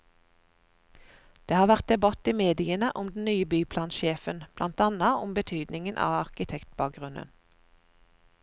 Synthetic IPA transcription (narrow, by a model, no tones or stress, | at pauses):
d̪̥eːhɑːʋæʁt̪̚d̪ɛbɑt̪iːmeːd̪ɪənəʔʊmd̪n̩nyːəbyːpʰlɑːnʃeːfənb̥lɑnt̪ɑːnəʊmbət̪ʰyːd̪nɪŋənʔɑ̰ːɑʁkɪt̪ʰɛkt̪̚bɑːk̚ɡʁʉnə̰n